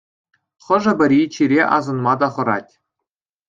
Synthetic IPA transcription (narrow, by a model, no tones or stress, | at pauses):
χɤ̆ʐɤ̆bʲɘ̆rʲit͡ɕiɾʲeʔɑ̰zɤ̆nmɑd̪ɑχɤ̆ɾɑ̰tʲ